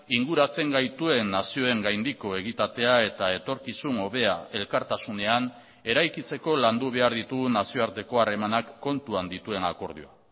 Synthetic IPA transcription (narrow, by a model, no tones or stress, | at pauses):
iŋɡuɾat͡se̞ŋɡajt̪ue̞nːasio̞e̞ŋɡajnd̪iko̞e̞ɣit̪at̪e̞ae̞t̪ae̞t̪o̞ɾkisuno̞βe̞ae̞lkaɾt̪asune̞an | e̞ɾajkit͡se̞ko̞land̪uβ̞e̞aɾðit̪uɣnasio̞aɾt̪e̞ko̞are̞manakːo̞nt̪uand̪it̪ue̞nako̞ɾð̞ioa̰